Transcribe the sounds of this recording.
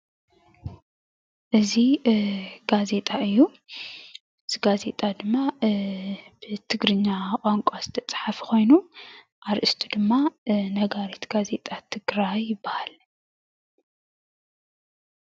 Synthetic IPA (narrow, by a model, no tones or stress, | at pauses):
ʔɨzi | ɡ̥aze̞t̪ʼaɨjːu | ɨz̥iɡaze̞t̪ʼad̪ɨmːa | bɨt̪ʰɨɡɾɨɲːakʼaŋkʷʼaz̥ɨt̪ʰɐt͡sʼħafkʰo̞jnu | ʔaɾʔɨst̪ʰud̪ɨmːanɐɡaɾet̪ɡ̥aze̞t̪ʼat̪ʰɨɡɾajːɪbːahal